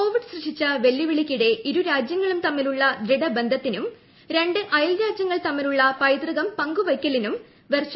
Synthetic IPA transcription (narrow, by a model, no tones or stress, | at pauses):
o̞ːʋiɖɨɕrɨʂit͡ɕːɐʋe̞lːiʋiɭikʲːiɽe̞ʔiɾuɾaːd͡ʑjɐŋːɐɭumt̪ɐmːiluɭːɐd̪ɾiɽɐbe̞nd̪ʱɐt̪ːinum | ɾe̞ɳɖɨʔɐjɐlɾaːd͡ʑjɐŋːɐɭt̪ɐmːiluɭːɐpɐjd̪rɨɣɐmpɐŋɡuʋɐjkʲːɐlinum | ʋers